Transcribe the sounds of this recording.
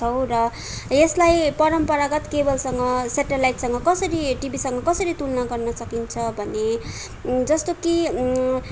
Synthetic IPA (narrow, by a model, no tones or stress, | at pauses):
ʌw̃rʌ | eslajpʌɾʌmpʌɾaɡʌt̪kebʌlsʌŋɡʌsaʈelajʈsʌŋɡʌkʌsʌɾiʈibʱisʌŋɡʌkʌsʌɾit̪ulnʌɡʌrnʌsʌkint͡sʰʌbʱʌne | d͡zʌst̪oki